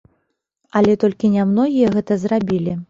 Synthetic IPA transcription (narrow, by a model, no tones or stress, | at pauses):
ɐlʲɛt̪ɔlʲkʲinʲamnɔɣʲijɐɣɛt̪ɐzrabʲilʲi